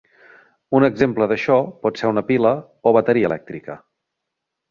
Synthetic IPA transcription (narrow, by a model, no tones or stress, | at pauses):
unəɡzempləðəʃɔpɔt̪seɾunəpilə | oβ̞ət̪əɾiəlɛk̚t̪ɾikə